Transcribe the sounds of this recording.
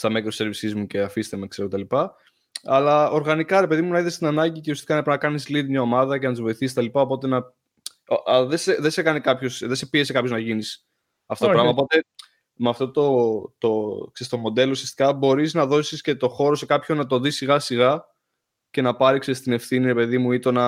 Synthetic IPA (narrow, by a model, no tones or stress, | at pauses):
st̪ɐmekɾose̞ɾvisizmuce̞ɐfist̪eme̞kseɾoet̪ɐlipɐ | ɐlɐoɾɣɐnikɐɾe̞pe̞ðimunɐiðest̪inɐnɐɟiceust̪ikɐnɐipinɐkɐnisliðimɲɐo̞mɐðɐce̞nɐt̪izvo̞iθiset̪ɐlipɐo̞po̞t̪e̞nɐ | oðeseðese̞kɐnikɐpço̞sðese̞pies̬ekɐpço̞znɐʝinis | ɐft̪ooopɾɐmmɐopo̞t̪e̞ | meɐft̪o̞t̪ot̪oksest̪o̞mo̞d̪e̞lousiɐst̪ikɐbo̞ɾiznɐðo̞sisce̞t̪o̞xo̞ɾo̞se̞kɐpço̞nɐt̪̬o̞ðisiɣɐsiɣɐ | ce̞nɐpɐɾiksest̪ine̞fθiniɾe̞pe̞ðimuit̪o̞nɐ